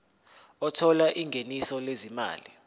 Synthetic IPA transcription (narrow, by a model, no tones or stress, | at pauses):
ɔtʰɔlaʔiŋɡʱenisɔlezima̰ːli